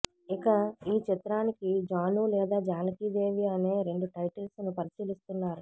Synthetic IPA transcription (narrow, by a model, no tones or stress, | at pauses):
ikɐiːt͡ʃit̪ɾaːnikid͡ʒaːnulɛːd̪aːd͡ʒaːlɐkid͡ʒeːʋiɐne̞ːɾe̞ɳɖuʈɐjʈɐlsnupɐɾisiːlist̪unːaːɾu